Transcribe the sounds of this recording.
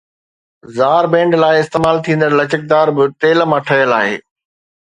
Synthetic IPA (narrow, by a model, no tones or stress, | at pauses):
zaːɾbẽːɳɖlaːɪɪst̪eːmaːlt̪ʰĩːn̆d̪əɾlɐt͡ɕək̚d̪aːɾbɪt̪eːlmãʈʰɐjəlaːɦḛː